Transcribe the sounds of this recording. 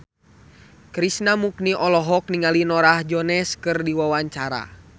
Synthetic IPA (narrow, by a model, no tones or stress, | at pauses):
kɾisnamuk̚niʔɔlɔɦɔk̚niŋalinɔɾahd͡ʒɔnɛskɨrdiwawaɲt͡ʃaɾa̰